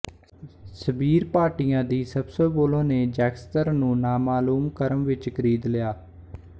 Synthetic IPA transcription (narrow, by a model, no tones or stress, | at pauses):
səbiːɾpaːʈiːjãːd̪iːsəbsoːboːlõːneːd͡ʒɛːkst̪əɾnũːnaːmaːluːmkəɾəmʋɪt͡ʃkəɾiːd̪lɪjaː